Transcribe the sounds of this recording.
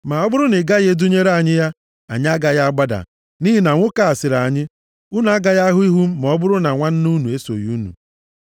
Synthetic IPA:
ma˨ɔ˦bʊ˦ɾʊ˦nɪ˨ɡa˦ɣe˦du˦ɲe˦ɾa˨ɲɪ˦ja˦ | a̰˨ɲɪ˦a˦ɡa˦ja˦a˦ɡ͡ba˦da̰˨ | ni˦ɦi˦na˨ŋʷʊ˦ka˨a˨sɪ˨ɾa˨ɲɪ˦ | u˦n˨a˦ɡa˨ja˦ɦʊ˦i˦ɦu˦m̩˦mɔ˨˦bʊ˦ɾʊ˦na˨ŋʷa˦n̩˦nu˦nu˨e˦so̰˨ju˦nṵ˨

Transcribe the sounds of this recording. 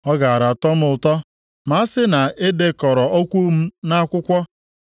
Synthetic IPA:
ɔ˦ɡa˨a˨ɾa˨tɔ˦m̩˦ʊ˨tɔ˦ | ma˨a˦sɪ˦na˨ɪ˦de˦kɔ˨ɾɔ˨o˦kʷu˦m̩˦na˦kʷʊ˦kʷɔ˦

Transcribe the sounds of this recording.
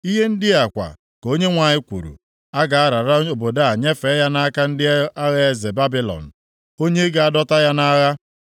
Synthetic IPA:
i˦ɦe˦n̩˦dɪ˦a˨kʷa̰˨ | ko˦ɲe˦ŋʷa˨ɲɪ˦kʷṵ˨ɾṵ˨ | a˦ɡa˨a˦ɾa˨ɾa˦o˨bo˨da˦a˨ɲe˦fe˨˦ja˦na˦ka˦n̩˦dɪ˦a˦ɣe˦e˦ze˨ba˦bi˦lɔ̰˨n̩˨ | o˦ɲe˦ɡa˨a˦dɔ˦ta˦ja˦na˦ɣa˦

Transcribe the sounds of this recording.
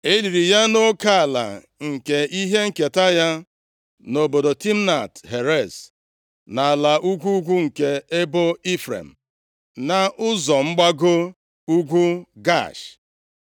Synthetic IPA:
e˦li˨ɾi˨ja˦no˦ka˦a˨la̰˨ | ŋ̩˨ke˨i˦ɦe˦ŋ̩˦˨ke˨ta˦ja˦ | no˨bo˨do˨ti˦m̩˦na˨tɦe˨ɾe˦˨s | na˨la˨ʔu˦ɡʷu˦ɡʷu˦ŋ̩˨ke˦e˦bo˦i˦fɾḛ˨m̩˨ | na˨ʔʊ˦zɔ˨ŋ͡m̩˦ɡ͡ba˦ɡo˦ | u˦ɡʷu˦ɡa̰˦˨ʃ

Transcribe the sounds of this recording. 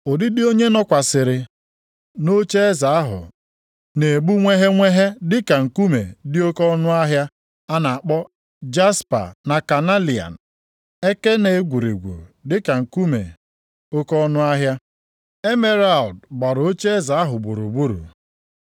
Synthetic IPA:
o˨dɪ˦dɪ˦o˦ɲe˦nɔ˦kʷa˨sɪ˨ɾɪ˨ | no˦t͡ʃe˦e˦za˨a˦ɦʊ̰˨ | ne˨e˨ɡ͡bu˦ŋʷe˦ɦe˦ŋʷe˦ɦe˦dɪ˦ka˨ŋ̩˨ku˦mḛ˨dɪ˦o˦kɔ˦nʊ˦a˦ɦja˦ | a˦na˨a˨k͡pɔ˦ | d͡ʒa˦spa̰˨na˨ka˨na˦li˨a̰˨n̩˨ | e˦ke˦ne˨˦ɡʷu˨ɾḭ˨ɡʷṵ˨dɪ˦ka˨ŋ̩˨ku˦mḛ˨ | o˦kɔ˦nʊ˦a˦ɦja˦ | e˦me˦ɾa˨ldɡ͡ba˨ɾo˦t͡ʃe˦e˦za˨a˦ɦʊ˨ɡ͡bo˨ɾu˨ɡ͡bu˦ɾṵ˨

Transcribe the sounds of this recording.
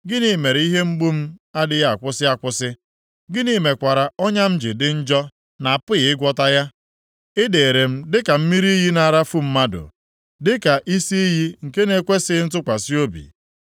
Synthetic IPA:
ɡɪ˦ni˨me˨ɾi˦ɦe˦ŋ͡m̩˦ɡ͡bu˦m̩˦a˦dɪ˨ja˦a˨kʷʊ˦sɪ˦a˨kʷʊ˦sɪ˦ | ɡɪ˦ni˦me˨kʷa˨ɾa˨ɔ˦ɲa˦m̩˦d͡ʒɪ˨dɪ˨n̩˦d͡ʒɔ˦ | na˨a˨pʊ˦ɣɪ˨ɪ˦ɡʷɔ˦ta˦ja˦ | ɪ˦de˨ɾe˨m̩˦dɪ˦ka˨m̩˦mi˦ɾi˦ɦi˦na˨ɾa˦fu˦m̩˦ma˦dʊ̰˨ | dɪ˦ka˨ʔi˦si˦i˦ɦi˦ŋ̩˨ke˦ne˨kʷe˦sɪ˦n̩˦tʊ˦kʷa˨si˦o˦bḭ˨

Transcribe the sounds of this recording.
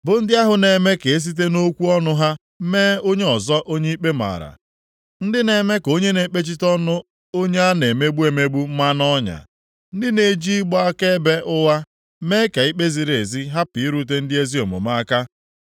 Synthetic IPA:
bʊ˨n̩˦dɪ˦a˦ɦʊ˨ne˨me˦ke˨e˦s̬i˦t̬e˦no˦kʷu˦ɔ˦nʊ˦ɦa˦ | meː˦o˦ɲe˦ɔ˨zɔ˦ʔo˦ɲe˦i˦k͡pe˦ma̰˨ɾa̰˨ | n̩˦dɪ˦ne˨me˦ko˦ɲe˦ne˨˦k͡pe˦t͡ʃi˦tɔ˦nʊ˦ | o˦ɲe˦a˦ne˨me˦ɡ͡bu˦e˨me˦ɡ͡bu˦m̩˦ma˦nɔ˦ɲa̰˨ | n̩˦dɪ˦ne˨˦d͡ʒi˦ɡ͡bɔ˦a˦ke˦be˦ʔʊ˦wa˦ | me˦ka˨i˦k͡pe˦zi˨ɾe˨zi˦ɦa˦pi˨i˦ɾu˨t̬e˦n̩˦dɪ˦e˦zi˦o˨mʊ̰˨ma˦a˦ka˦

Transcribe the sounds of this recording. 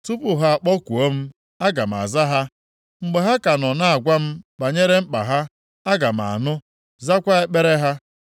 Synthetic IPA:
tu˦pʊ˨ɦa˦a˨k͡pɔ˦kʷu˨o˦m̩˦ | a˦ɡa˨m̩˨a̰˨za˦ɦa˦ | ŋ͡m̩˨ɡ͡be˨ɦa˦ka˨nɔ˨na˦a˨ɡʷa˦m̩˦ba˨ɲe˦ɾe˦m̩˦k͡pa˨ɦa˦ | a˦ɡa˨m̩˨a̰˨nʊ˦ | za˦kʷa˦e˦k͡pe˦ɾe˦ɦa˦

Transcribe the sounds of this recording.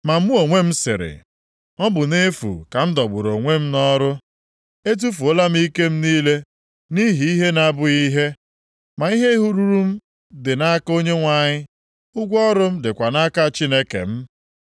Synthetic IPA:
ma˨m̩˦ʊ˦o˨ŋʷe˦m̩˦sɪ̰˨ɾɪ̰˨ | ɔ˦bʊ˨ne˦fṵ˨ka˨m̩˦dɔ˨ɡ͡bʊ˨ɾo˨ŋʷe˦m̩˦nɔ˦ɾʊ˦ | e˦t̬u˦fu˨o˦la˦m̩˦i˦ke˦m̩˦niː˦le˦ | ni˦ɦi˦i˦ɦe˦na˦bʊ˦i˦ɦe˦ | ma˨i˦ɦe˦ɦu˦ɾu˦ɾu˦m̩˦ | dɪ˨na˦ko˦ɲe˦ŋʷa˨ɲɪ˦ | ʊ˦ɡʷɔ˦ɾʊ˦m̩˦dɪ˨kʷa˨na˦ka˦˨t͡ʃi˦ne˦kḛ˨m̩˦

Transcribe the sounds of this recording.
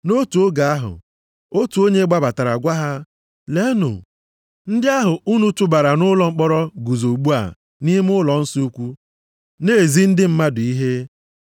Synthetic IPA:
no˦tu˨o˦ɡa˨a˦ɦʊ̰˨ | o˦tu˨o˦ɲe˦ɡ͡ba˦ba˨ta˨ɾa˨ɡʷa˦ɦa˦ | le˦nʊ̰˨ | n̩˦dɪ˦a˦ɦʊ˨u˦nu˦tʊ˦ba˨ɾa˨nʊ˦lɔ˨ŋ͡m̩˦k͡pɔ˦ɾɔ˦ɡu˨zo˨ɡ͡bu˦a̰˨ | ni˦m˦ʊ˦lɔ˨n̩˦si˦u˦kʷu˦ | neː˦˨zi˦n̩˦dɪ˦m̩˦ma˦dʊ˨i˦ɦe˦

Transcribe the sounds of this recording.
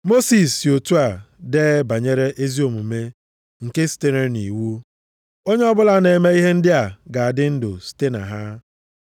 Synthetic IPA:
mo˦si˨sjo˨tu˦a˨ | deː˦ba˨ɲe˦ɾe˦ʔe˦zi˦o˨mu˨me˦ | ŋ̩˨ke˦si̥˨te˦ɾe˦ni˨wu˦ | o˦ɲe˦ɔ˦bʊ˦la˦ne˨me˦i˦ɦe˦n̩˦dɪ˦a˨ɡa˨a˨dɪ˦n̩˦dʊ̰˨si̥˨te˦na̰˨ɦa˦

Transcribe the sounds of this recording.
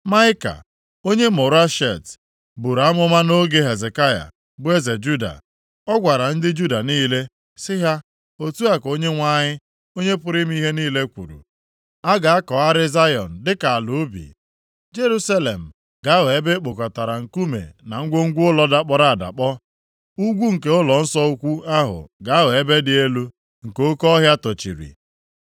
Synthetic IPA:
ma˦ɪ˦ka̰˨ | o˦ɲe˦mʊ˨ɾa˦ʃe˨t | bu˨ɾa˨˦mʊ˦ma˦no˦ɡe˦ɦe˨ze˨ka˦ja̰˨ | bʊ˦e˦ze˨d͡ʒu˦da̰˨ | ɔ˦ɡʷa˨ɾa˨n̩˦dɪ˦d͡ʒu˦da˨niː˦le˦ | sɪ˦ɦa˦ | o˦tu˦a˦ko˦ɲe˦ŋʷa˦ɲɪ˦ | o˦ɲe˦pʊ˦ɾɪ˦m̩˦i˦ɦe˦niː˦le˦kʷṵ˨ɾṵ˨ | a˦ɡa˨a˦kɔ˨a˦ɾɪ˦za˦jɔ̰˨n̩˨dɪ˦ka˨a˨lu˨˦bḭ˨ | d͡ʒe˦ɾu˦sa˦le˨m̩˨ | ɡa˨˦we˨e˦be˦k͡po˨kɔ˨ta˨ɾa˨ŋ̩˨ku˦mḛ˨na˨ŋ̩˦ɡʷo˦ŋ̩˦ɡʷʊ˦ʊ˦lɔ˦da˦k͡pɔ˦ɾa˦˨a˨da̰˨k͡pɔ˦ | u˦ɡʷu˦ŋ̩˨ke˦ʊ˦lɔ˨n̩˦sɔ˦u˦kʷu˦a˦ɦʊ̰˨ɡa˨˦a˦we˨e˦be˦dɪ˦e˦lu˦ | ŋ̩˨ko˦kɔ˦ɦja˦tɔ˨t͡ʃḭ˨ɾḭ˨

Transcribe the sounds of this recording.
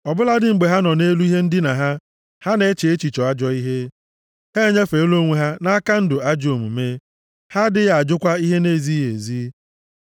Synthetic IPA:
ɔ˨bʊ˦la˦dɪ˨ŋ͡m̩˨ɡ͡be˨ɦa˦nɔ˨ne˦lu˦i˦ɦe˦n̩˦dɪ˦na˨ɦa˦ | ha˦ne˦˨e˦t͡ʃe˨e˦t͡ʃi˨t͡ʃɔ˨a˦d͡ʒɔ˦i˦ɦe˦ | he˦ɲe˦fe˨˦lo˦ŋʷe˨ɦa˦na˦ka˦n̩˦dʊ˨a˦d͡ʒo˨mṵ˨me˦ | ha˦dɪ˦ɣa˨d͡ʒʊ˦kʷa˦i˦ɦe˦ne˦˨zi˦je˨zi˦

